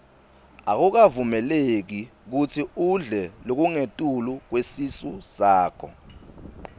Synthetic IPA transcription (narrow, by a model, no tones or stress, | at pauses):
ak̬uk̬avumɛlek̬ik̬utʰiuɮɛlok̬uŋetʼuluk̬wesisusaːkʰɔ̰